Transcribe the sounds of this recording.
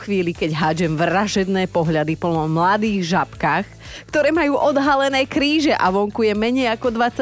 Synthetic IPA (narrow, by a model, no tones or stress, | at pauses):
xʋiːlikɛɟɦaːd͡ʒɛmʋɾaʒɛd̪nɛːpɔɦʎad̪ipl̩nɔmlad̪iːɣʒapkaːx | kt̪ɔɾɛːmajuːʔɔd̪ɦalɛnɛːkɾiːʒɛʔaʋɔŋkujɛmɛɲɛjakɔd̪ʋat͡sːa